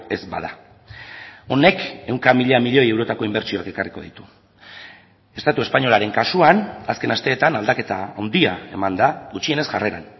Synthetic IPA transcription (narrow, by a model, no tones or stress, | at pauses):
e̞zba̰ða | o̞ne̞ke̞wŋkamiʎamiʎo̞je̞wɾo̞t̪ako̞imbe̞ɾt͡ʃio̞ake̞kariko̞̰ðḭt̪u̥ | e̞st̪at̪ue̞spaɲo̞laɾe̞ŋkasuanaske̞nast̪e̞ːt̪anald̪ake̞t̪a̰awnd̪iae̞̰mand̪aɣut͡ʃie̞ne̞sʝareɾa̰n